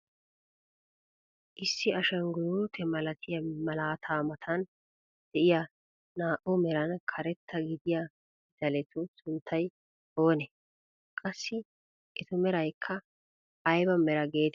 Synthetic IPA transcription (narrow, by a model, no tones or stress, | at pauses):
ʔɪsːɪɐʃɐŋɡʊɾuːt̪ʰɛmɐlɐt̪ʰɪjɐmɐlaːt̪ʰaːmɐt̪ʰɐn | d̪̥ɛʔɪjɐ | naːʔʊmɛɾɐnkʰɐɾɛt̪ːɐɡɪd̪ɪjɐ | d̪̥ɐlɛt̪ʊsʊnt̪ʰːɐj | o̞ːnɛ | kʼɐsːɪ | ʔɪt̪ʊmɛɾɐjkʰːɐ | ʔːjbɐmɛɾɐɡe̞ːt̪